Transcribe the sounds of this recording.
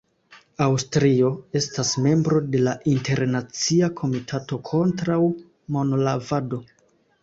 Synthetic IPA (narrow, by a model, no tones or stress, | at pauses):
awstɾio̞e̞stasme̞mbɾo̞de̞laʔinte̞ɾnat͡siakʰo̞mitʰato̞kʰo̞ntɾaw | mo̞nolavado̞